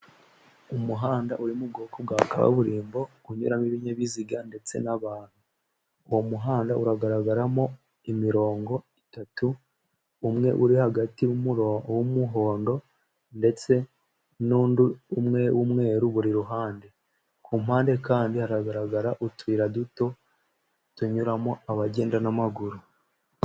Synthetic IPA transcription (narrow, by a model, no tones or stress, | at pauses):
umuɦaːndaʔuɾimub̚ɡo̞ːkob̚ɡa̰ːka̰βa̰βuɾiːmbo̞ | uɲṵɾamiβiɲeβiziɡande̞t͡se̞̰naβaːn̥hu | uwomuɦaːndaʔuɾaɡaɾaɡaɾamo̞ | imiɾo̞ːŋɡo̞itatuː | mŋe̞̰ʔuɾihaɡatiwwumuɦo̞ːndo̞ | nde̞t͡se̞ | nuːnduumŋe̞wʔumŋe̞ːɾuβuɾiɾuɦaːnde̞ | kʰuːmhaːnde̞kaːndihaɾaɡaɾaɡaɾaʔutwiːɾaduto̞ | tuɲuɾamo̞aβaɟe̞ːndanamaɡuɾu